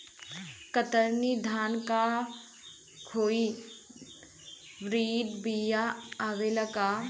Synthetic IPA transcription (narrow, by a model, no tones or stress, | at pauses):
kət̪əɾnid̪ʱaːnka | kʰoːi | ʋɾiːɖ̪bijaaːʋelɐkaː